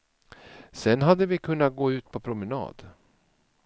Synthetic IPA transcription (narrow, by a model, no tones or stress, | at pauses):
sɛnɦad̪ːəvɪkʰɵnːat̪̚ɡoːʉ̟ːt̪̚pʰɔpʰɾʊmənɑ̰ːd̪